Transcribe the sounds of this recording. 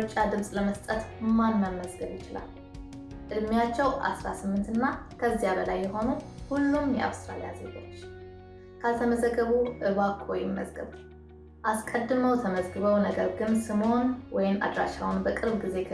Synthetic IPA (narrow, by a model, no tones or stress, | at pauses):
t͡ʃʼːad̪ɨmsʼləməst̪ʼət̪manːəmːəzɡəβjɪt͡ʃɪla̰l | ʔɨd̪mijat͡ʃːɛwʔa̰sɾasɨmːɨnt̪ɨnːakʰəzːijaβəlajːɛho̞nuhulːumjɛ̰ʔa̰βst̪ɾalijaze̞ɡo̞t͡ʃː | kʰat̪ʰəməzəɡːəβuʔɨβakʰojɪmːə̰zɡə̰β | ʔaskʼəd̪ːɨməwt̪ʰəməzɡɨβəwnəɡəɾɡɨnsɨmo̞nwɔjɪma̰d̪ɾaʃawnbəkʼɨɾbɡize̞